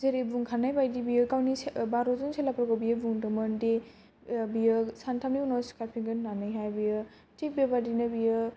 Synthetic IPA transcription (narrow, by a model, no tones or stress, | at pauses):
zeɾebuŋkʰanajbajdibijɯkawnibaɾɔzɔnselapɾɔɡɔbijɯbuŋdɯmɯnde | bijɯsantʰamiunɔskapʰiŋɡɯnːanɯjɦajbijɯ | tik̚bjebadinɯbijɯ